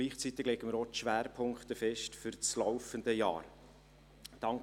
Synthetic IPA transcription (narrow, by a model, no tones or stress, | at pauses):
liːχt͡sit̪ɪɡ̥lɛɡ̥əməɾotʃʋæːɾpʰʊŋkχt̪əfɛʃtfyɾt͡slɔʊfənd̪əjɑ̰ːɾ | d̥ɑŋk